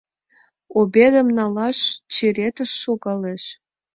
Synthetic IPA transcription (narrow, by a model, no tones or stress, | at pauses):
obʲed̪ə̆mnɑlɑʃt͡ɕeɾʲet̪ə̆ʃːoɣɑleʃ